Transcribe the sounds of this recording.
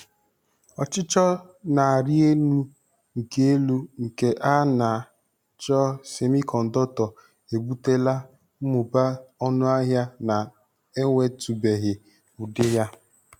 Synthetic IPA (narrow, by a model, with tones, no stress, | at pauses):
ɔ˨t͡ʃɪ˦t͡ʃɔ˦na˨a˨ɾɪ˦e˦nu˦ | ŋ̩˨ke˦e˦lu˦ŋ̩˨ke˨ʔa˦na˨ | t͡ʃɔ˦se˨mi˦kɔ˨n̩˨dɔ˦tɔ˨ | e˨bu˦te˦la˦ | m̩˦mʊ˨ba˦ɔ˦nʊ˦a˦ɦja˦na˨ | e˦ŋʷe˦tu˨be˨ɦɪ˨ | ʊ˨dɪ˦ɦja˦